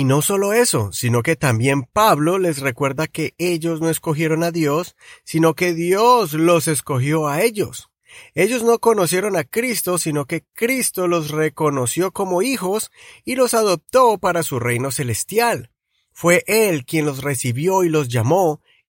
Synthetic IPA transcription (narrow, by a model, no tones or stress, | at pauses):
ino̞so̞lo̞e̞so̞sino̞ke̞t̪ambje̞mpaβlo̞le̞s̬re̞kwe̞ɾðake̞eʝo̞zno̞e̞sko̞xje̞ɾo̞naðjo̞sːino̞ke̞ðjo̞slo̞se̞sko̞xjo̞ae̞ʝos | e̞ʝo̞zno̞ko̞no̞sje̞ɾo̞nakɾist̪o̞sino̞ke̞kɾist̪o̞lo̞s̬re̞ko̞no̞sjo̞ko̞mo̞ixo̞silo̞saðo̞p̚t̪o̞paɾasure̞jno̞se̞le̞st̪jal | fwe̞ʔe̞lkje̞nlo̞s̬re̞siβjo̞ilo̞z̬ʝamo̞